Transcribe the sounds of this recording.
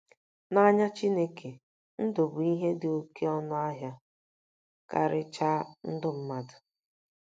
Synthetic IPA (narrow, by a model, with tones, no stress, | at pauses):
na˦ɲa˦t͡ʃi˦ne˦ke˨ | n̩˦do˨bʊ˨i˦ɦe˦dɪ˨o˦kʰe˦ɔ˦nʊ˦a˦ɦja˦ | ka̰˨ɾɪ˦t͡ʃa˦n̩˦dʊ˦m̩˦ma˦dʊ˨